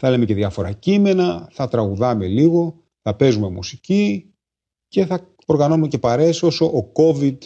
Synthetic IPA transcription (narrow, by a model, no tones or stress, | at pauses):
θɐelemece̞ðjɐfo̞ɾɐ̰cime̞nɐθɐt̪ɾɐɣuðɐme̞liɣo̞ | θɐpe̞zume̞musici | ce̞θɐ | o̞ɾɣɐno̞numece̞pɐɾe̞so̞soʔːko̞vid̪